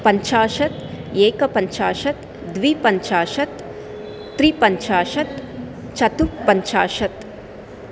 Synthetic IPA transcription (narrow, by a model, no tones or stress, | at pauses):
pɐɲt͡ʃaːʃɐt̪eːkɐpɐɲt͡ʃaːʃɐt̪ | d̪ʋipɐɲt͡ʃaːʃɐt̪ː | ɾipɐɲt͡ʃaːʃɐt̪ | t͡ʃɐt̪upɐɲt͡ʃaːʃɐt̪